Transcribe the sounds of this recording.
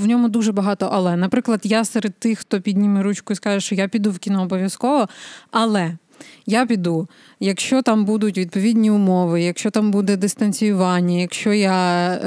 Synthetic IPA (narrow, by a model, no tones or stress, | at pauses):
wnʲɔmʊd̪uʒɛbɐɦɑt̪ɔʔɐlˠɛnɐpɾɪklˠɐd̪jasɛɾed̪̚t̪ːɪxxt̪ɔpʲid̪ʲnʲimɪɾut͡ʃkʊiskɑʒɛʃt͡ʃɔjapʲid̪uwkʲinɔːbɔʋʲjɐskɔʋɔɐlˠɛ | japʲid̪u | jɐkʃt͡ʃɔt̪ɑmbud̪ʊtʲʋʲid̪̚pɔʋʲidʲnʲiʊmɔʋɪjɐkʃt͡ʃɔt̪ɑmbud̪ɛd̪ɪst̪ɐnʲt͡sʲʊjʊʋɑnʲːɐjɐkʃt͡ʃɔja